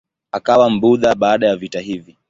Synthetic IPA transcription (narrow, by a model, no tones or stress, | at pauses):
akawam̩buðaɓaːɗajavitaɦivi